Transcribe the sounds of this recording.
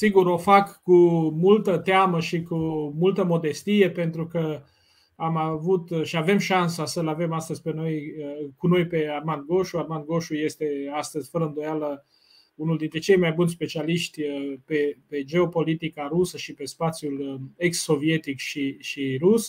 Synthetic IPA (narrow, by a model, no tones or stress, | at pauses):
siɡuɾo̞fakːumult̪ət̪eaməʃikumult̪əmo̞d̪e̞st̪ije̞pe̞nt̪ɾukə | amavut̪ʃiave̞mʃansasəlave̞mast̪əzʲpe̞no̞jəkuno̞jpe̞armand̪̚ɡo̞ʃuarmand̪ɡo̞ʃuje̞st̪e̞ast̪əzʲfəɾəɨnd̪o̞jalə | unuld̪int̪ɾe̞t͡ʃe̞jmajbunʲspe̞t͡ʃialiʃt̪ʲəpepe̞d͡ʒe̞o̞po̞lit̪ikaɾusəʃipe̞spat̪sjule̞ksːo̞vie̞t̪ikʃiʃiɾus